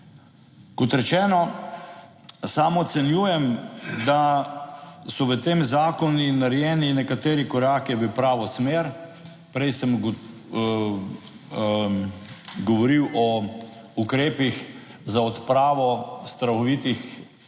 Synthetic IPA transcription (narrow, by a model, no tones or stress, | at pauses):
kɔt̪ɾɛt͡ʃɛːnɔ | saːmɔt̪sɛnjuːjɛmd̪a | sɔʋət̪eːmzaːkɔninaɾjɛːninɛkat̪eːɾikɔɾaːkiʋəpɾaːʋɔsmeːɾ | pɾɛjsəmɡ | ɡɔʋɔɾiwɔ | ukɾeːpix | zaɔt̪pɾaːʋɔst̪ɾaxɔʋit̪ix